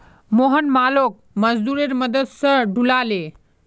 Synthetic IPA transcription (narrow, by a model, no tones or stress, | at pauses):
moːɦənmaːloːk̚məzd̪uːɾeɾməd̪əd̪sə̃ɖʱulaːle